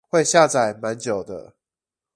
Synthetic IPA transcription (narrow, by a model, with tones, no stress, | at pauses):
xwe˥˨ɪɕja˥˨t͡sa˨˩ɪma˧˦nt͡ɕjo˨˩ʊd̪ə̰˦